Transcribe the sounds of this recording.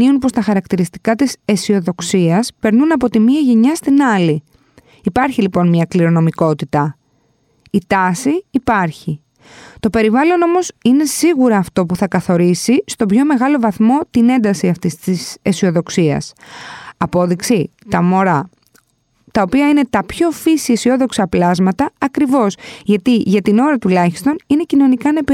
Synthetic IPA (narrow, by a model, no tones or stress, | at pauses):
iunpo̞st̪ɐxɐɾɐkt̪iɾist̪i̥kɐt̪ise̞sio̞ðo̞ksiɐspe̞ɾnunɐpo̞t̪imiɐʝeɲɐst̪inɐli | ipɐɾçilipo̞nmɲɐkliɾo̞no̞miko̞t̪it̪ɐ | it̪ɐsiːpɐɾçi | t̪o̞pe̞ɾivɐlo̞no̞mo̞sine̞siɣuɾɐːft̪o̞puθɐkɐθo̞ɾisist̪o̞bço̞me̞ɣɐlo̞vɐθmo̞t̪ine̞nd̪ɐsiɐft̪ist̪isesio̞ðo̞ksiɐ̰s | ɐpo̞ðiksit̪ɐmo̞ɾɐ | t̪ɐopiɐine̞t̪ɐpço̞fisiesio̞ðo̞ksɐplɐzmɐt̪ɐɐkɾivo̞sʝɐt̪iʝɐt̪ino̞ɾɐt̪ulɐçi̥st̪o̞nine̞cino̞nikɐnep